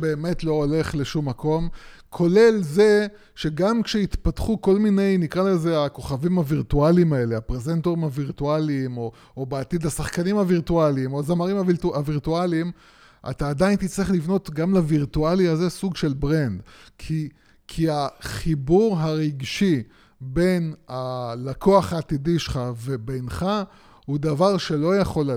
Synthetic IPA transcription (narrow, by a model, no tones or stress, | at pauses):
be̞ːme̞tlo̞ole̞χle̞ʃumːako̞m | kʰo̞le̞lze̞ | ʃe̞ɡamkʃeit̪patχuko̞lmine̞jnikʁalezeako̞χavimhaviʁtualimae̞le̞apʁezent̪oʁimaviʁtualiːmo | obeatid̪asaχkanimaviʁtualiimoazamaʁimaviaviʁtualiim | ʔa̰taːd̪ajnt̪it͡sliχlivno̞t̪ɡamlaviʁtualiaze̞suɡʃe̞lbʁend̪kʰi | kʰiaχibuʁɦaʁiɡʃi | be̞nalakʰoaχhaːt̪idiʃχave̞bejnχa | hud̪avaʁʃe̞lo̞jaχo̞l